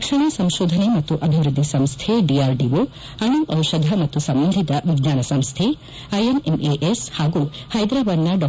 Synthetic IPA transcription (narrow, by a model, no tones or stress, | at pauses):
kʃɐɳ̃ɐsɐmʃoːd̪ʱɐnemɐt̪ːuʔɐbʱiʋɾud̪ʱːisɐmst̪ʰeɖiaːɾɖiʋo | ɐnuʔɐwʃɐd̪ʱɐmɐt̪ːusɐmbɐnd̪ʱit̪ɐʋiɡɲaːnɐsɐmst̪ʰe | ɐjenemeʔeshaːɡuhɐjd̪ɾaːʋɐɾnaɖɔ